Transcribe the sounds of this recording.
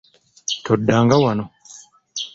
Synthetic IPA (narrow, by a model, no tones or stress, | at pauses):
tʰodːaːŋɡawano